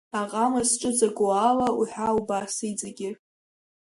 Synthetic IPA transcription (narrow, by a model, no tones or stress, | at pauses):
aqʼamasʈ͡ʂʼɨd͡zʼaɡʷualauħʷᶣaubasiid͡zʼaɡʲɪr